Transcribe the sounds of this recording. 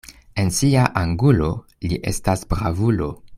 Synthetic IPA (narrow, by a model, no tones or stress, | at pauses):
e̞nsiaʔaŋɡulo̞ | liʔe̞̰stasbɾavulo̞